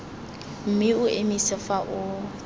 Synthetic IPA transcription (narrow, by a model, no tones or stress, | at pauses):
m̩mɪʊʔemisɪfaʔʊ